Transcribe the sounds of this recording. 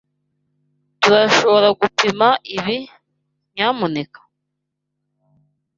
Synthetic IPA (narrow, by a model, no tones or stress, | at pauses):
tuɾaʃo̞βo̞ɾaɡupimaʔiβi | ɲaːmunekḁ